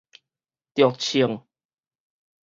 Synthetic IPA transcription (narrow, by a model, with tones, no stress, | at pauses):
t̪jɔ˨˩k̚t͡ɕʰi˨˩əŋ